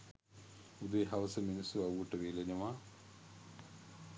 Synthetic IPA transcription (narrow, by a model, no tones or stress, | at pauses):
ud̪eːɦɐʋɐsɐminisuɐʋuʈːɐʋeːlenɐmaː